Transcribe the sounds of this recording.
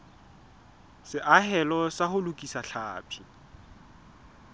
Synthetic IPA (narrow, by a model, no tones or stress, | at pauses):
sɪʔaɦɛlɔsahʊlʊkʼisaɬʰaːpʰi̥